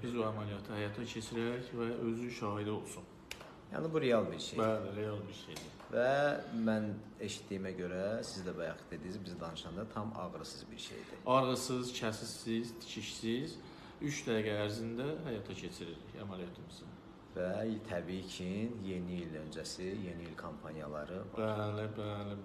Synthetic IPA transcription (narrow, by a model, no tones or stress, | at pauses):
bizbuæmælijɑt̪ʰɯhæjɑt̪ʰɑcʰe̞t͡ʃʰiɾæɾiçvæø̞zynʃɑːɦid̪io̞lˠsun | jɑ̰ːnibuɾejɑlˠbiɾʃeæliɾejɑlˠbiɾʃejd̪i | væmæn | e̞ʃi̥t̪ːiːimæɟø̞ɾæsizd̪æbæjɑχɯ̥d̪e̞d̪iizbizid̪ɑnɯʃɑnd̪ɑt̪ʰɑmɑ̰ɣɾɯsɯzbiɾʃḛjd̪ḭɑɾʁɯsɯzt͡ʃʰæsisizt̪ʰi̥cʰiʃsiz | yt͡ʃd̪æɾɡæːɾzind̪æhæjɑt̪ʰɑcʰe̞t͡ʃʰiɾiɾḭçæmælijɑt̪ʰimizim | væt̪ʰæbicʰinje̞niilø̞nd͡ʒæsije̞niilkʰompʰɑnijɑlˠɑ̰ɾɯ̰ælɪbælɪ